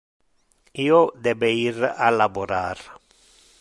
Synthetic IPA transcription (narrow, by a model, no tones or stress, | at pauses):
iːod̪ɛbeiɾa̰laboɾa̰ɾ